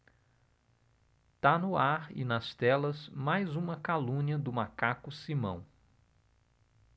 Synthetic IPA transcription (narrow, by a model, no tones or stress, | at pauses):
t̪anʊaɾɪ̰nɐst̪ɛlɐzmajzũmɐkalũɲɐd̪ʊmakakʊsimɐ̰̃w̃